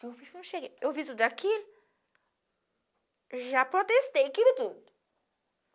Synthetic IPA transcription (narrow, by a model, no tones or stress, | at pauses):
efiʃknɐ̃w̃ʃeɡeewvit̪ud̪akʰil | ʒapɾot̪est̪ejakid̪ɪt̪ud̪ʊ